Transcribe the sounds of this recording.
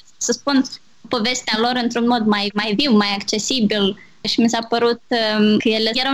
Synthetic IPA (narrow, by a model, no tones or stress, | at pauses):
səspun | po̞ve̞st̪ealo̞ɾɨnt̪ɾunmo̞d̪majmajviwmajakt͡ʃe̞sibil | ʃimisapəɾut̪̚kəjelejeɾ